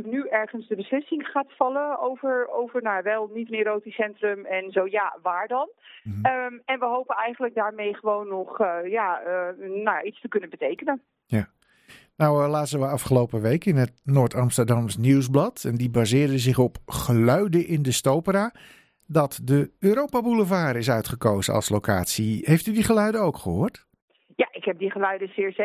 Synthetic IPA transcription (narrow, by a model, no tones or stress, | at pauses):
knyʔɛɹχənzdəbəslɪsɪŋχaːtfɑləowvəɹowvəɹnojaʋɛlˠnitəneɾoːtisɛntrəmɛnzowjaːʋaːɹdɑn | ɛnʋəɦowpənɛjχənləɡ̚daːɹmejχəʋownːɔχja | naja̰itstəkɵnənbətejkənən | ja | nawlaːtzəʋəɑfχəlowpəʋejkɪnətnoːɹtɑmstərdɑmsniwzblɑtɛndibaːzɪːrdəzɪχɔpχəlœɥdəʔɪndəstowpəɾaː | dɑtdəøːɾowpabuləvaːɾɪsœɥtχəkowzəɑ̰lˠslowkʰaːtsiɦejftydiχəlœɥdəowkχəɦoːrt | jaʔɪkɦɛp̚diχəlœɥdəsɪːɹs